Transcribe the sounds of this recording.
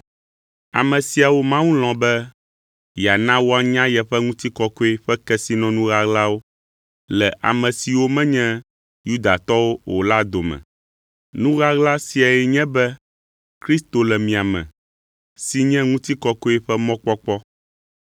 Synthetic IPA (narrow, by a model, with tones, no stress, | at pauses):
a̰˨mɛ̃˨si˨a˨wo˦mã˦wũ˦l̃ɔ̃˨bɛ˦ | ja˨nã˦wo˦a˨ɲã˦jɛ˨ɸɛ˦ŋũ˦t̪i˦kɔ˦ko˦e˦ɸɛ˦kɛ˦si˦nɔ̃˨˦nũ˦ɣa˦ɣla˦wo˦ | lɛ˨ʔa̰˨mɛ̃˨si˨wo˦mɛ̃˦ɲɛ̃˦ | ju˦d̪a˨t̪ɔ˦wo˦wo̰˨la˦d̪o˨mɛ̰̃˨ | nũ˦ɣa˦ɣla˦si˨a˨jɛ˨ɲɛ̃˦bɛ˦ | kɾi˦st̪o˨lɛ˨mĩ˨a˨mɛ̰̃˨ | si˦ɲɛ̃˦ŋũ˦t̪i˦kɔ˦ko˦ɛ˦ɸɛ˦mɔ̃˦k͡pɔ˦k͡pɔ˦